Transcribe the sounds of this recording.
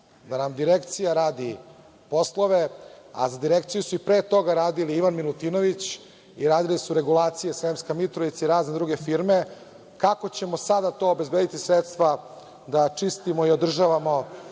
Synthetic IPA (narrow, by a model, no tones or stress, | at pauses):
d̪anamd̪iɾekt̪sijaɾaːd̪i | po̞sloʋe̞a̰zad̪iɾek̚t̪sijusuipɾeːt̪o̞ɡaɾaːd̪iliiʋanmilut̪inoʋit͡ɕ | iɾaːd̪ilisuɾe̞ɡulˠaːt̪sijesɾemskamit̪ɾoʋit̪saiɾaːzned̪ɾuɡe̞fiɾme̞ | kako̞t͡ɕe̞mosad̪at̪o̞ːobe̞zbed̪it̪isɾet̪st̪ʋa | d̪at͡ʂist̪imoio̞d̪r̩ʒaʋamo̞